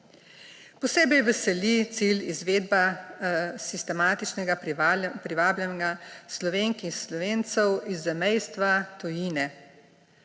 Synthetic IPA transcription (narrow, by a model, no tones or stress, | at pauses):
pɔseːbɛjʋɛsɛlit̪silizʋeːd̪ba | sist̪ɛmaːt̪it͡ʃnɛɡapɾiʋaːblʲɛnɡaslɔʋeːŋkinslɔʋeːnt̪sɛwizːɛmɛjst̪ʋat̪ɔjiːnɛ